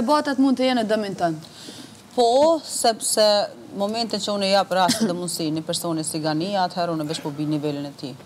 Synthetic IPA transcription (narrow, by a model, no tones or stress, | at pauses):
ɛbat̪at̪mund̪̚t̪əjɛnɛd̪əmint̪an | pɔsɛpsɛ | mɔmɛnt̪int͡ʃəunɛjapɾast̪ɛðɛmunsinipɛɾsɔnisiɡaniat̪ʰhɛɾunɛvɛt͡ʃpɔbinivɛlinɛt̪i